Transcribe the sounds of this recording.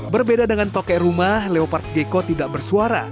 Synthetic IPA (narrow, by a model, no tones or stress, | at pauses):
bərbedadəŋant̪okɛrumahleopart̪̚ɡekot̪idaʔbərsuaɾa̰